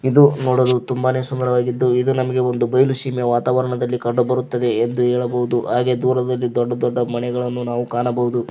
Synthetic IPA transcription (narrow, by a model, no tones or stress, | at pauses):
id̪unoːɽod̪ut̪umbaːne̞ːsund̪ɐɾɐʋaːɡid̪ːuid̪unɐmɐɡe̞o̞nd̪ubɐjluʃiːmjɐʋaːt̪aːʋɐɾɐɳɐd̪ɐlːikɐɖubɐɾut̪ːɐd̪e̞ːnd̪uɦɛːɭɐbɐɦud̪uɦaːɡe̞d̪uːɾɐd̪ɐlːid̪ɔɖːɐd̪ɔɖːɐmɐnɛɡɐɭɐnːunaːʋukaːnɐbɐɦud̪u